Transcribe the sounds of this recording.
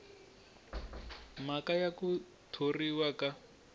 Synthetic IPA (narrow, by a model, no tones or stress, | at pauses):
makajaku | tʰoriwaka